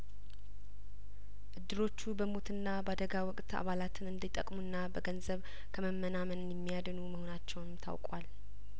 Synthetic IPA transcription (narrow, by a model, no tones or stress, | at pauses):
ʔɨd̪ːɨɾo̞t͡ʃːubəmo̞t̪ɨnːabəad̪əɡawɔkʼt̪a̰βalat̪ʰɨnɨnd̪it̪ʼəkʼmunːabəɡənzəβ | kʰəməmːənamənɨnjɛmːijad̪ənuməho̞nat͡ʃːɛwnɨmt̪ʰa̰wkʼwa̰l